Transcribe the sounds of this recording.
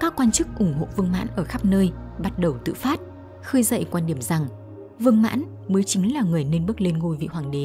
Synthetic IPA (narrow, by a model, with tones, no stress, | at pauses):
kaː˦˥kːwaː˧nt͡ɕɨ˦˥k̚ʔʊ˧˩ŋ͡mɦo̰˧˨vɨ˧əŋma̰ː˧˥nʔəː˧˩xaː˦˥p̚nəː˧jɓa˦˥t̚ɗə˨˩wt̪ɨ̰˧˨faː˦˥t̚ | xɨː˧jzə̰˧˨jkwaː˧nɗi˧˩əmza˨˩ŋ | vɨ˧əŋma̰ː˧˥n | məː˨˦jt͡ɕï˨˦ŋ̟laː˨˩ŋɨ˨˩əjne˧nɓɨ˦˥k̚le˧nŋo˧jvḭ˧˨ɦwaː˨˩ŋɗe˨˦